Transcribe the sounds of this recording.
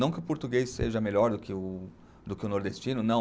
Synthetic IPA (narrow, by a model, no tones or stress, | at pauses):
ɐ̃w̃kɪʊpoɾt̪uɡejsḛʒɐmeʎɔɾd̪ʊkɪʊ | d̪ʊkɪʊnoɾd̪est͡ʃĩnʊnɐ̃w̃